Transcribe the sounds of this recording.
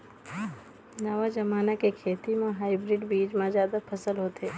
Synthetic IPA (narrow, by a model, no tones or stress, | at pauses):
nɐʋad͡ʒɐmaːnakekʰeːt̪imẽɦaːɪbɾɪɖbiːd͡ʒmãzjaːd̪apʰɐsəlɦoːt̪eː